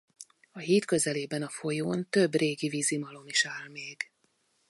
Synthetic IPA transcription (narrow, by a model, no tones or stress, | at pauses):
ɒɦiːt̪kø̞zɛleːbɛnɒfo̞joːnt̪ø̞breːɡiviːzimɒlo̞niʃaːlmeːɡ̥